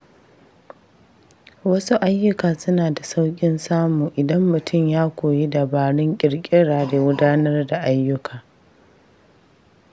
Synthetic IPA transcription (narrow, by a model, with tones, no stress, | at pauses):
wɐ˦su˦ʔa˦jːʊ˦kaː˨sʊ˦naː˨da˨sa˦wkʲʼɪ˦nsaː˦muː˨ʔɪ˨dɐ˦mːʊ˨tʰʊ˦˨mjaː˦kʷoː˨ji˦da˨baː˨ɽɪ˦ŋkʲʼɪ˨ɽkʲʼɪ˦ɽaː˨da˨ɡʊ˦daː˦nɐ˦rda˨ʔa˦jːʊ˦kʰaː˨